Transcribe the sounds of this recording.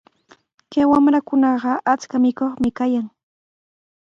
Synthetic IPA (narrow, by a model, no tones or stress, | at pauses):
kawamɾakʊnɑɢɑʔat͡skamɪkoχmɪkajaŋ